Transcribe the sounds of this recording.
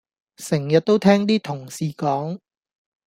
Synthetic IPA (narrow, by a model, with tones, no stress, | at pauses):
sɪ˨˩ŋjɐ˨t̚t̪o˥wt̪ʰɛː˥ŋt̪iː˥t̪ʰʊ˨˩ŋsiː˨kɔː˨˥ŋ